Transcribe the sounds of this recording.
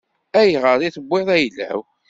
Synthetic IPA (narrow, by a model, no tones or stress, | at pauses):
æjʁəɾˤiθəbːɪðˤæjlːæ̰w